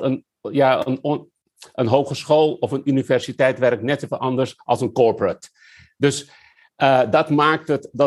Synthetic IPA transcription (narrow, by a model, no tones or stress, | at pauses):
ən | jaə̰n | ənɦowχəsχoːlˠɔfənynifɛɹsitɛjtʋɛrk̚nɛtefəʔɑndəɹsʔɑ̰lˠsənkɔɹpɹət | dɵs | ədɑtmaːk̚tətd